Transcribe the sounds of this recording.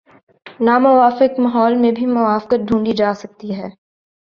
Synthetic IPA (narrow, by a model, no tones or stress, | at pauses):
naːmʊʋaːfɪkmɐɦɔːlmẽbʱimʊʋaːfkət̪̚ɖʱũːɳɖid͡ʒaːsɐk̚t̪iɦɛː